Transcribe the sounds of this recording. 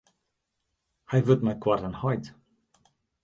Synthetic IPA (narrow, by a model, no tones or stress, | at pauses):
hajvɵtmajkʰwartənhɔjt